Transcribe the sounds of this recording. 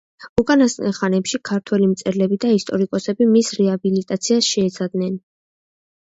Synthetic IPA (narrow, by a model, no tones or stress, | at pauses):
ukʼanast̪ʼɛχanɛpʃikʰaɾt̪ʰwɛlimt̪sʼɛɾlɛbid̪aist̪ʼɔɾikʼɔsɛbimisɾɛabilit̪ʼat̪sʰiasʃɛːt̪sʰad̪nɛn